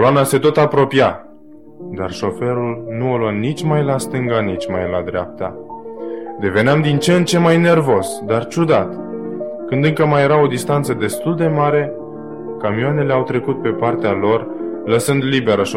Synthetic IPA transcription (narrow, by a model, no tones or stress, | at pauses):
koloanase̞t̪o̞t̪apɾo̞pija | d̪a̰rʃo̞fe̞ɾulnuoluanit͡ʃʲmajlast̪ɨŋɡanit͡ʃʲmajla̰d̪ɾea̰p̚t̪a | d̪e̞ve̞neamd̪int͡ʃent͡ʃe̞majne̞rvo̞sd̪art͡ʃud̪at̪kɨnd̪ɨŋkəmaje̞ɾao̞d̪ist̪ant̪səd̪e̞st̪uld̪e̞maɾe̞ | kamioane̞le̞awt̪ɾe̞kut̪̚pe̞part̪ealo̞r | ləsɨnd̪libe̞ɾəʃ